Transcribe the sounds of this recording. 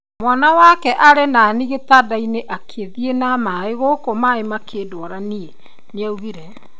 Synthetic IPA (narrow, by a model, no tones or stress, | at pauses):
mwanawakɛʔaɾenaniɣetadaineʔakʰeðienamaeɣokomaemakʰeːdwɔɾanie | neauβiɾɛ